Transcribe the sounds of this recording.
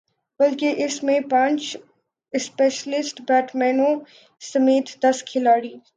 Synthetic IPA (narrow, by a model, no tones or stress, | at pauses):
bɐlkeʔɪsmẽpãːt͡ʃ | ɪspeːʃəlɪsʈbɛːʈmɛːnõ | sɐmeːt̪ʰd̪ɐskʰɪlaːɽiː